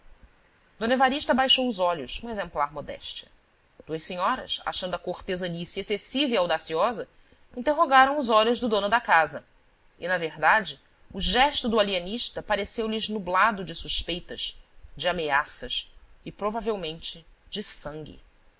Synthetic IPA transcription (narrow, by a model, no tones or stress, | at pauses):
d̪õnevaɾiʃt̪ɐbajʃowʊzɔʎʊʃũezẽmplaɾmod̪ɛ̰ʃt͡ʃɐ̥ | d̪̥uɐʃseɲɔɾɐ̰sa̰ʃɐ̃nd̪ʊɐkoχt̪ezɐnisiesesiveawd̪asiɔzɐ | ĩnt̪eɦoɡaɾɐ̃w̃ʊzɔʎʊzd̪ʊd̪õnʊd̪ɐkazɐ | ɪnɐveɦd̪ad͡ʒɪ | ʊʒɛʃt̪ʊd̪ʊaliɐniʃt̪ɐpaɾesewlɪznublad̪ʊd͡ʒɪsuʃpejt̪ɐzd͡ʒɪameasɐsɪpɾovavewmẽnt͡ʃɪd͡ʒɪsɐ̃ŋɡʲɪ̰